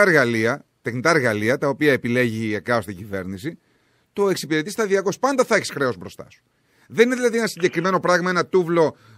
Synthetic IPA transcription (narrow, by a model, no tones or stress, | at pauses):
ɐɾɣɐliɐt̪exnit̪ɐeɾɣɐliɐt̪ɐo̞piɐe̞pile̞ʝiekɐost̪iɲɟive̞̰ɾnisi | t̪o̞e̞ksipiɾe̞t̪ist̪ɐðiɐko̞spɐnd̪ɐθɐeçi̥sxɾe̞o̞zbɾo̞st̪ɐ̰su̥ | ðenineðilɐðie̞nɐsiɲɟe̞kɾime̞no̞pɾɐɣmɐe̞nɐt̪uvlo̞